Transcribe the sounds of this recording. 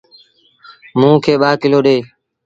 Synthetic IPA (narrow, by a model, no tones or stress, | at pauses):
mũːkʰeːɓaːkɪloːɗeː